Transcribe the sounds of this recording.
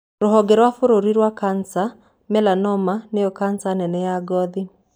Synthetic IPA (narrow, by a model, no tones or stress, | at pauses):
ɾɔɦɔɡeɾwafoɾoɾiɾwakansa | mɛlanɔmaneɔkansanɛnɛjaɡɔði